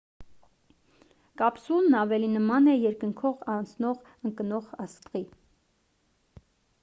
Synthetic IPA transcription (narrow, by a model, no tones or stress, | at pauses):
kɑpsunːɑvɛlinəmɑnɛjɛɾkəŋkʰɔʁɑnt͡sʰnɔʁ | əŋkənɔʁɑst̪ʁi